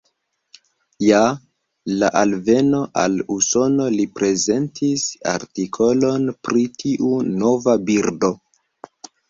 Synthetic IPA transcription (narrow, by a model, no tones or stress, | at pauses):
ja | laʔalve̞no̞ʔa̰luso̞no̞lipɾe̞ze̞ntʰisa̰ɾtikʰo̞lo̞npɾitʰiʔuno̞vabiɾdo̞